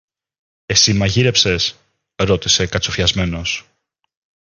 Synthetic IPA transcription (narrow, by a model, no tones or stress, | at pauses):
e̞simɐʝiɾe̞pse̞s | ɾo̞t̪ise̞kɐt͡sofçɐzme̞no̞s